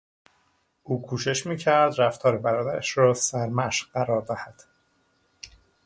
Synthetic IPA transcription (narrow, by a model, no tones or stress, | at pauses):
ʔuːkʰuːʃe̞ʃmiːcʰæɾd̪ɾæft̪ʰɒːɾebæɾɒːd̪æɾæʃɾɒːsæɾmæʃɢæɾɒːɾd̪æhæd̪̥